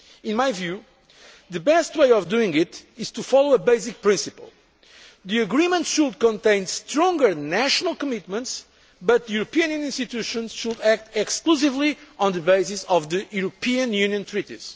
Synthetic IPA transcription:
ĩnmajvju | ðɨbɛst̪weɪɔvd̪uĩŋɡɪt̪iz̥t̪ufɔlˠoəbeɪzik̚pɹĩnsipə̰lˠ | ðiɨɡɹĩmə̃nt̪ʃud̪̚kɔ̃nt̪ẽɪ̃nst̪ɾɔ̃ŋɡə˞næʃɔnəlˠkɔmit̪mə̃nts | bʌt̪̚ðjuɾɨpiɨ̃njɨ̃nĩnst̪it̪uʃə̃nz̥ʃud̪æk̚t̪ɛkskluzivliɔ̃nðɨbeɪsisɔvðɨjuɾɔpʰiɨ̃njʉnjɨ̃nt̪ʰɹit̪ḭz̥

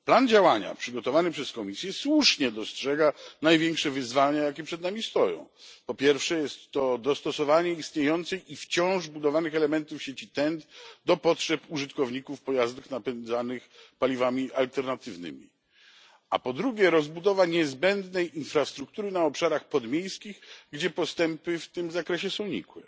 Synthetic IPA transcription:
pland͡ʑawaɲa̰pʂɘɡɔt̪ɔvanɘpʂɛskɔmʲisʲjɛswuʂɲɛd̪ɔstʂɛɡanajvʲjɛŋkʂɛvɘzvalɲajakʲɛpʂɛd̪namʲist̪ɔjɔ̰̃w̃pɔpʲjɛɾfʂɛjɛst̪ːɔd̪ɔst̪ɔsɔvaɲɛist̪ɲejɔnt̪sɛjʔift͡ɕɔ̃w̃ʐbud̪ɔvanɨxɛlɛmɛnt̪ufɕet͡ɕit̪ɛnt̪d̪ɔpɔtʂɛpuʐɨt̪kɔvɲikufpɔjazd̪ɘxnapɛnd̪zanɘxpalʲivamʲiʔalt̪ɛɾnat̪ɘvnɘ̰mʲḭ | a̰pɔd̪ɾuɡʲɛɾɔzbud̪ɔvaɲɛzbɛnd̪nɛjinfɾast̪ɾuk̚t̪uɾɘnaɔpʂaɾaxpɔd̪mʲjejskʲiɣɡd͡ʑɛpɔst̪ɛmpɘft̪ɘmzakɾɛɕɛsɔ̃w̃ɲḭkwɛ

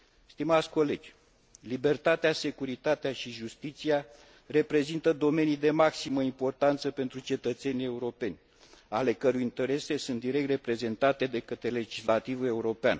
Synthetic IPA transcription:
st̪imat̪sʲko̞le̞d͡ʒʲ | libe̞rt̪at̪ease̞kuɾit̪at̪eaʃiʒust̪it̪sia | re̞pɾe̞zint̪əd̪o̞me̞nid̪e̞maksiməimpo̞rt̪ant̪səpe̞nt̪ɾut͡ʃe̞t̪ət̪se̞nie̞uɾo̞pe̞nʲ | ale̞kəɾujint̪e̞ɾe̞se̞sunt̪d̪iɾe̞k̚t̪re̞pɾe̞ze̞nt̪at̪e̞d̪e̞kət̪ɾe̞le̞d͡ʒislat̪ivue̞uɾo̞pea̰n

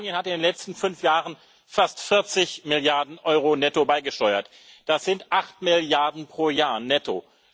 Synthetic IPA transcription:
njənhatɪndeːnlɛt͡stn̩fʏnfjaːʁən | fastfɪɐt͡sɪçmɪljaɐdn̩ʔɔʏʁonɛtobaɪɡəʃtɔʏɐt | d̥asz̥ɪntʔaχtmɪljaɐdn̩pʁ̥oːɐjaːɐnɛto̰

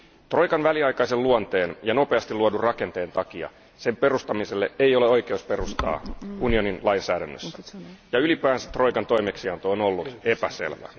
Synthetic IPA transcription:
t̪ro̞jkɑnʋæliɑjkɑiselluɑnt̪e̞ːnjɑno̞peɑst̪ilːuodurrɑke̞nt̪e̞ːnt̪ɑkiɑ̰ | sempe̞rust̪ɑmiselːeʔeijo̞leo̞jkeuspe̞rust̪ɑ̰ːunio̞ninlɑinsæːɾænːø̰sːæ̥jɑylipæːnse̥t̪ro̞jkɑnt̪o̞imeksiɑnt̪oːno̞lːut̪epæsḛlʋæ̰

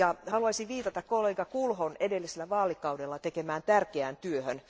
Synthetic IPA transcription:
jɑhɑluɑsiʋʋiːt̪ɑt̪ɑkkolːeɡɑkulhonedelːiselːæʋɑːlikːɑudelːɑt̪ekemæːnt̪ærkeænt̪yøhøn

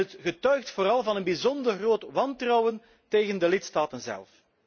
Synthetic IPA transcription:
ətɣətœɥxtfoːɾɑlˠvɑnənbizɔndərroːtʋɑntrɔwən | teːɣəndəlɪtstaːtənzɛ̰lˠf

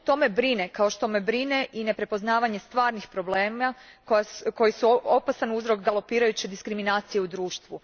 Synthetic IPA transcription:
t̪o̞me̞bɾinekao̞ʃt̪o̞me̞bɾine̞ʔine̞pɾe̞po̞znaːʋaɲe̞st̪ʋaːɾnixpɾo̞ble̞ːmakojko̞jisuopasanuzɾo̞kɡalˠo̞piːɾajut͡ɕed̪iskɾiminaːt̪sije̞ud̪ɾuːʃt̪ʋu

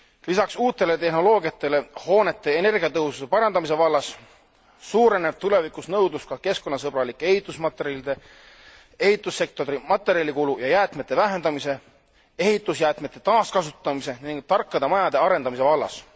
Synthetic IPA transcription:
lisɑksuːt̪ːˑe̞le̞t̪e̞ɦno̞lo̞ːɡiɑt̪ːˑe̞le̞ho̞ːne̞t̪ːe̞ːne̞rɡiɑt̪ɤɦususe̞pɑɾɑnd̪ɑmis̬e̞vɑlːɑs | suːɾe̞nevt̪ule̞vikusnɤwd̪uskɑke̞sko̞nːɑs̬ɤb̥ɾɑlikːˑe̞hit̪ˑusmɑt̪ːˑeɾilid̪e̞ | e̞hit̪ˑusːe̞k̚t̪o̞ɾimɑt̪ːˑe̞ɾjɑlʲikulujɑjæːt̪ˑmet̪ːe̞væɦe̞nd̪ɑmise̞ | e̞ɦit̪ːˑusjæːt̪me̞t̪ːˑe̞t̪ɑːskɑsut̪ːˑɑmise̞niŋɡ̥̚t̪ɑrkːɑd̪̥ɑmɑjɑd̪e̞ɑɾe̞nd̪ɑmise̞vɑlːɑ̰s

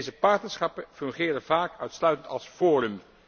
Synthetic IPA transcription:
zəpɑɹtnəɹsχɑpəfɵŋχɪːrəvaːkœɥtslœɥtəntɑ̰lˠsfɔːrəm

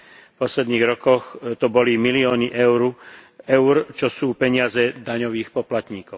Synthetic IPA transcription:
fpɔslɛd̪niːɣɾɔkɔxt̪ɔbɔlimiliɔːniʔɛʊɾuɛʊɾt͡ʃɔsuːpɛɲɪazɛd̪aɲɔʋiːxpɔplat̪ɲiːkɔʊ

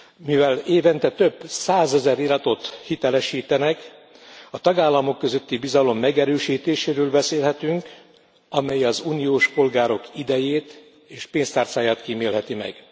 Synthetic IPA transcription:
mivɛleːvɛnt̪ɛt̪øbsaːzɛzɛɾiɾɒt̪o̞t̪hit̪ɛlɛʃiːt̪ɛnɛk | ɒt̪ɒɡaːlːɒmo̞kːø̞zø̞t̪ːibizɒlo̞mːɛɡɛɾøːʃiːt̪eːʃeːɾøːlbɛseːlɦɛt̪yŋk | ɒmɛjɒzuːnijoːʃpo̞lɡaːɾo̞kid̪ɛjeːt̪ | eːʃpeːnst̪aːrt̪saːjaːt̪kiːmeːlɦɛt̪imɛ̰ɡ̥

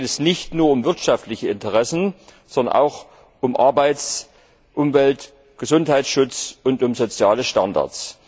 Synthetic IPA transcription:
tɛsnɪçtnuːɐʊmvɪɐtʃaftlɪçəɪntəʁɛsn̩z̥ɔndɐ̰nʔa̰ʊx | ʔʊmʔa̰ɐbaɪs | ʔʊmvɛlt | ɡ̥əzʊnthaɪtsʃʊt͡sʊntʊmzot͡sjaːləʃtanda̰ɐt͡s

